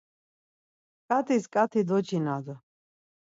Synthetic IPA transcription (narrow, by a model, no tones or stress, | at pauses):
kʼat̪ʰiskʼat̪ʰid̪ɔt͡ʃʰinad̪ɔ